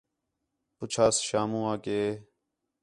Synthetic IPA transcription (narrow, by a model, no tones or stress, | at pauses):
pʊt͡ʃʰaːsʃaːmũːaːkeː